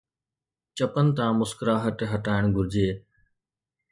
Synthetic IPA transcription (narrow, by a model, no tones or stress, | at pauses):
t͡ʃəpənɪ̆t̪ãːmʊskɾaːɦəʈɦəʈaːɪɳ̃ɡʱʊɾɪd͡ʑeː